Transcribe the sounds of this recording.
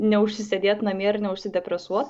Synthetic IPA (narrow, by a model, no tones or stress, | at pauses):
nʲɛʊʃʲsʲɪsʲɛd̪ʲeːt̪nɐmʲiɛɾnʲɛʊʃʲsʲɪd̪ʲɛpʲɾʲɛsuɔt̪